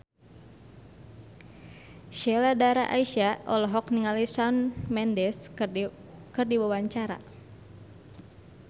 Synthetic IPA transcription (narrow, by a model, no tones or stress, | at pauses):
ʃɛladaɾaʔaiʃaʔɔlɔɦɔkniŋalisanmɛndɛs | kərdibawaɲt͡ʃaɾa̰